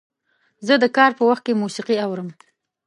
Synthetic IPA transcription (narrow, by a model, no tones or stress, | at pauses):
zəd̪əkɑɾpəwaxt̪̚kemusiqiawɾəm